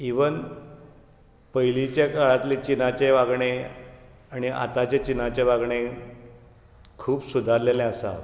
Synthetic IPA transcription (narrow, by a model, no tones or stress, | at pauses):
iʋən | pəjlit͡ɕjakaɭat̪lit͡ɕinat͡ɕeʋaɡɳe | aɽ̃iʔa̰t̪at͡ɕet͡ɕinat͡ɕeʋaɡɳe | kʰuːpsud̪ʱaɾlelẽasa̰